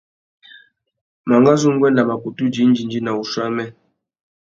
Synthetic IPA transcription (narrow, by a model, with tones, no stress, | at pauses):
ma˨ŋɡa˦zu˦m̩˦ɡwɛ˦n˦la˨ma˨ku˨tu˦d͡ʒi˨˦n̩˦d͡ʒi˨nd͡ʒi˦na˨u˨ʃwa˦mɛ˦